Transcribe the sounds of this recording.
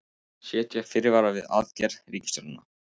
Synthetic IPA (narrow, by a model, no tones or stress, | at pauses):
sjɛːt̪jɛɣfɪɾɪvaːɾavɪða̰ðcɛɾɾiːcɪst̪œɾʏnːa